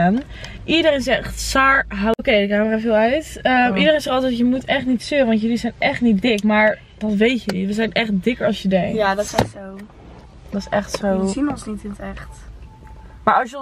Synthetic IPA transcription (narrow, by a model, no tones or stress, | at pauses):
an | ʔidərejnɪsɛχtsaːɹɦaokejdəkaːmərɛfəɪlˠœɥtəmidəɾejnsɛχɑlˠtɛtjəmutɛχtnitsøəʋɑntjəlizɛjnɛχtnit̚dɪkmaːɹ | dɑtʋejtjəliʋəzɛjnʔɛχt̚dɪkəɹɑlˠsjədɛŋjaːdɔtɪsɛχtsow | dɔtɪ̥sɛχtsowinɔnsnitɪntɛχt | maːɹɑlˠsj